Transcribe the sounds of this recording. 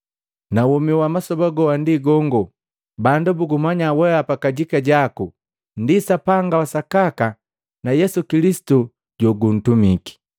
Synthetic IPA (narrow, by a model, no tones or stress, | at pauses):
nawɔmiwamasɔbaɡɔwandiɡɔŋɡɔ | bandubuɡumaɲawɛapakaɟikaɟaku | ndisapaŋɡawasakaka | najɛsukilisi̥tu | ɟɔɡun̩tumiki̥